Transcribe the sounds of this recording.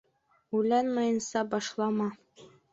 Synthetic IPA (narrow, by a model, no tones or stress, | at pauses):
ujlænmɑjɤ̆nsɑbɑʃlˠɑmɑ